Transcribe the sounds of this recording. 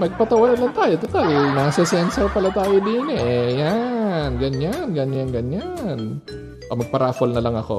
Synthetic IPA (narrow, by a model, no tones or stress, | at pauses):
mɐɡ̚pɐt̪ɐwanɐlɐŋt̪aːjot̪ot̪alnaːsɐsɛnsɐpɐlɐt̪aːjod̪iːnɛjanɡɐɲanɡɐɲjanɡɐɲan | ʔomɐɡ̚pɐɾaːfolnɐlɐŋɐko̰